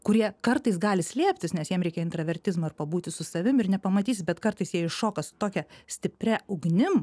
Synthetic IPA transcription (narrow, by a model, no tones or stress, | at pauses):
kʊɾʲiɛkɐrt̪ɐɪs̬ɡɑːlʲɪsʲlʲiɛpʲt̪ʲɪsnʲɛsjiɛmɾʲɛɪkʲɛɪnt̪ɾɐʋʲɛɾʲt̪ʲɪzmɐɪrpɐbuːt̪ʲɪsʊsɐʋʲɪmɪrnʲɛpɐmɐt̪ʲiːs̬ʲɪt̪̚bʲɛt̪kɐrt̪ɐɪsjiɛɪʃoːkɐsʊ̥t̪oːkʲɛsʲt̪ʲɪpʲɾʲæʊɡnʲɪm